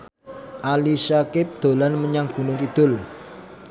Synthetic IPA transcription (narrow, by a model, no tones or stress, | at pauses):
ʔalisakɪp̚d̪̥o̤lanməɲaŋɡ̥ṳnʊkid̪̥ʊ̤l